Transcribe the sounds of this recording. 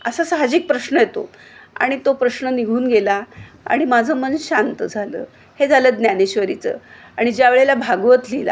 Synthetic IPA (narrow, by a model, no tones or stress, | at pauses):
əsasaɦad͡ʑiːk̚pɾəɕnəjet̪o̰ | a̰ɽ̃it̪opɾəɕnəniɡʱuːnɡela | a̰ɽ̃imad͡zʱəmənɕant̪əd͡zʱalə̰ː | hed͡zʱaləːd̪njaneɕʋəɾit͡sə̰ː | aɽ̃id͡ʑjaʋeɭelabʱaɡʋət̪lila̰